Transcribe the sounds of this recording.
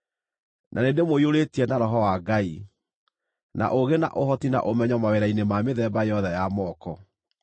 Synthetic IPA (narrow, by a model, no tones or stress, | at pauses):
nʔanedemoioɾetiɛnaɾɔɦɔwaɡai | na̰ʔoɣena̰ʔoɦɔtina̰ʔomɛɲɔmaweɾainemameðɛːbajɔðɛjamɔːkɔ